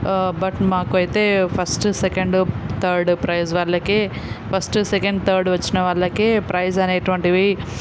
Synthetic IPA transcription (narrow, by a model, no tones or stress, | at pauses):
bɐʈmaːkuɐjit̪eːpʰɐsʈsekɐɳɖt̪ʰɐːɾɖpɾɐjsʋaːɭːɐkeː | pʰɐsʈsekeɳɖt̪ʰɐːɾɖʋɐt͡ʃːinɐʋaːɭːɐkeːpɾɐjsɐneːʈʋɐɳʈiʋi